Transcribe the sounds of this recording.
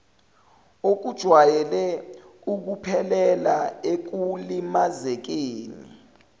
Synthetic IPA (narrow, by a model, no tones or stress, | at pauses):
ok̬ud̥ʒ̥ʱwajɛlɛ | uk̬upʰɛlɛlaek̬ulimazɛk̬eːnḭ